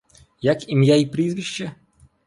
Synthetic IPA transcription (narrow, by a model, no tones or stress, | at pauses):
jakimʲjaipɾʲizvʲɪɕːɛ